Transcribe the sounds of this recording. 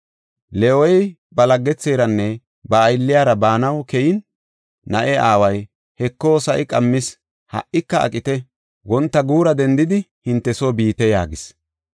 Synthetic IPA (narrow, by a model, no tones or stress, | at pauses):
lɛɔj | bɐlɐɡːɛt͡sːe̞ːɾɐnːɛ | bɐːjɪlːɪjaːɾɐbaːnɐwkɛjɪn | nɐʔɛaːwɐj | hɛkːoːsɐʔɪkʼɐmːɪs | hɐ̰ʔːɪkːɐɐ̰kʼɪt̪ɛ | wɔnt̪ːɐɡuːɾɐd̪ɛnd̪ɪd̪ɪhɪnt̪ːɛsoːbiːt̪ɛja̰ːɡɪs